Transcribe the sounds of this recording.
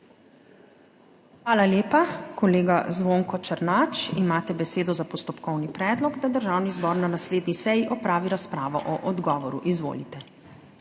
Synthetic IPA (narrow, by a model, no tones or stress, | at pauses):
xʋaːlaljeːpakɔleːɡazʋoːŋkɔt͡ʃəɾnaːt͡ʃimaːt̪ɛbɛseːd̪ɔzapɔst̪ɔpkɔwnipɾɛːd̪lɔɡd̪ad̪əɾʒaːwnizbɔːɾnanasleːd̪nisɛjiʔɔpɾaːʋiɾaspɾaːʋɔ̰ʔɔʔɔd̪ɡɔːʋɔɾṵʔizʋo̰ːlit̪ɛ